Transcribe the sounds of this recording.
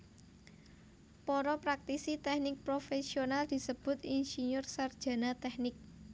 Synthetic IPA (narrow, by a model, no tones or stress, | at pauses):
pɔɾɔpɾak̚t̪isit̪ɛhnɪk̚pɾofesionald̪̥i̤səb̥ʊ̤t̪insiɲʊrsard̥ʒ̥a̤nat̪ɛhnɪk̚